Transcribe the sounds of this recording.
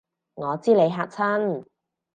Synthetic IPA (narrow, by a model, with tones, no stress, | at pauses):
ŋɔː˨˧t͡siː˥le˨˧jɦaː˧k̚t͡sʰɐ˥n